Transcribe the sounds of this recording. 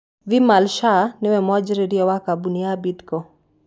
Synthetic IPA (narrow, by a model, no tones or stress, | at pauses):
vimalʃanɪwɛmɔd͡ʒɾeɾjɔwakabuniabid̪kɔ